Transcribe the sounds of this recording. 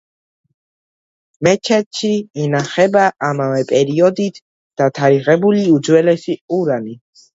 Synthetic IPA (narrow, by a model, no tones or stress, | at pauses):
mɛt͡ʃʰɛt̪ʃiɛnaχɛbaʔamavɛpʼɛɾiɔd̪it̪ʰ | d̪̥at̪ʰaɾiʁɛbuliud̪zwɛlɛsiuɾani